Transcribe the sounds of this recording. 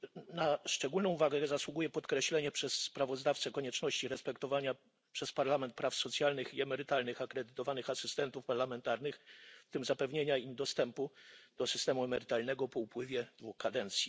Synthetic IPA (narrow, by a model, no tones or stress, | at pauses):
naʂt͡ʂɛɡulnɔ̃w̃vaɡɛzaswuɡujɛpɔt̪kɾɛɕlɛɲɛpʂɛsːpɾavɔzd̪aft̪sɛkɔɲɛt͡ʂnɔɕt͡ɕiɾɛspɛkt̪ɔvaɲa | pʂɛspaɾlamɛnt̪̚pɾafsɔt̪sʲjalnɘxiɛmɛɾɘt̪alnɘxakɾɛd̪ɘt̪ɔvanɘxasɘst̪ɛnt̪ufpaɾlamɛnt̪aɾnɘxfft̪ɘmzapɛvɲeɲaimd̪ɔst̪ɛmpud̪̥ɔsɘst̪ɛmuɛmɛɾɘt̪alnɛɡɔpɔupwɘvʲjɛd̪vuxkad̪ɛnt̪sʲji